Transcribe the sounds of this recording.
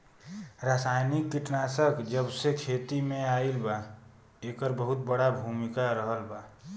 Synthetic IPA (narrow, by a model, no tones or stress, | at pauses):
ɾasaːjnikːɪʈnaːsəkd͡ʒəbsekʰeːt̪imẽaːilba | eːkəɾbəɦʊt̪̚bəɽabʱuːmɪkaɾəɦəlbaː